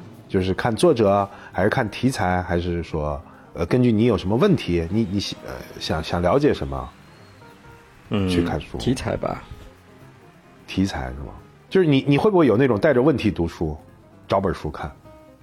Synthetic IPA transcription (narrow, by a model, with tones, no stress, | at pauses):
t͡ɕjo˥˧ʊʂɻ̩˥˧kʰa˥˧nt͡swɔ˥˩ʈ͡ʂɤ˨˩˦xa˧˥ɪʂɻ̩˥˧˩kʰa˥˩nt̪ʰi˧˥t͡sʰa˧˥ɪxa˧˥ɪʂɻ̩˥˩ʂwɔ˥ | ə˧kə˥nt͡ɕy˥˩ni˧˥jo˨˩ʊʂə˧˥mə˧wə˥˩nt̪ʰi˧˥ni˧˥ni˧˥ɕə̰˧ɕjɑ̰˨˩˦ŋɕjɑ˨˩ŋljɑ˧˥ʊt͡ɕjɛ˨˩ʂə˧˥nmə̰˧ | t͡ɕʰy˥kʰa˥˩nʂṵ˥˧˥t͡sʰa̰˧˥ɪba̰˧ | t̪ʰi˧˥t͡sʰa̰˧˥ɪʂɻ̩̰˥˩mə̰˩ | t͡ɕjo˥˧ʊʂɻ̩˥˩ni˧˩˦ni˨˩xwe˥˩bu˥we˥˩jo˨˩na˥˩ʈ͡ʂʊ˨˩ŋt̪a˥˩ɪʈ͡ʂə˨˩wə˥˩nt̪ʰi˧˥t̪u˧˥ʂʰu˥ | ʈ͡ʂɑ˧˥ʊpə˞˨˩ʂu˧˥kʰa̰˥˩n